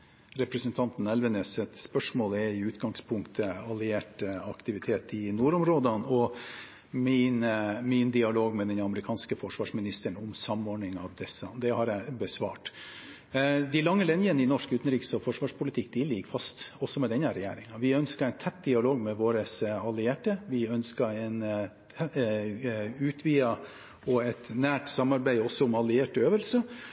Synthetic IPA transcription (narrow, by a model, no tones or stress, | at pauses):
ɾɛpɾəsənt̪ʰɑnt̪n̩ɛlʋənɛsɛt̪spœʂmoːlɛɪʉːt̪ɡɑŋspʰʊŋkt̪ʰəɑlɪeːʈɑkt̪ɪʋɪt̪ʰeːt̪ɪnuːɾɔmɾoːd̪ənɔ | mɪnmɪnd̪ɪɑloːɡmɛd̪ɛnɑməɾɪkʰɑːnskəfɔʂʋɑːʂmɪnɪst̪əɳʊmsɑmɔːɳɪŋɑʋd̪ɛsːɑd̪ɛhɑɾjæɪbəsʋɑ̰ːʈ | d̪ɪlɑŋːəlɛnjənəɪnɔʂkʉːt̪nɾiːksɔfɔʂʋɑːʂpʰʊlɪt̪ʰɪk̚ːd̪ɪlɪɡfɑst̪ɔsːɔmɛd̪ɛnːəɾɛjæ̰ːɾɪŋɑʋɪœnskəɾæɪnt̪ʰɛt̪̚d̪ɪɑloːɡmɛʋoːɾəsɑlɪeːʈəʋɪœnskəɾɛn | ʉːt̪ʰʋiːɑ | ɔɛt̪næːʈsɑmːɑɾbæɪɔsːɔʊmɑlɪeːʈøːʋəlsə